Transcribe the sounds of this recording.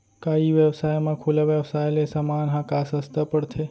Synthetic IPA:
kaiʋjəʋsajmãkʰulaʋjəʋsajlesamanɦãkasəst̪apəɽt̪ʰe

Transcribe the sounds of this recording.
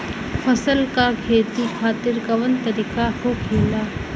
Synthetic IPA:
fʰɐsəlkakʰeːt̪ikʰaːt̪ɪɾɡɐʋənt̪ɐɾiːkakokʰeːlaː

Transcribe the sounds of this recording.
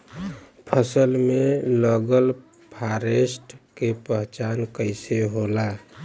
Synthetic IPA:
pʰəsəlmeləɡəl | pʰaɾesʈkepəɦt͡ʃankəɪseɦola

